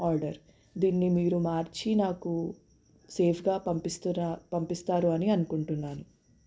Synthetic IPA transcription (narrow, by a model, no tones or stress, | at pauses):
aːɾɖɐɾ | d̪iːnːimiːɾumaːɾt͡ʃinaːku | se̞ːpʰɡaːpɐmpist̪upɐmpist̪aːɾuɐniɐnukuɳʈunːaːnu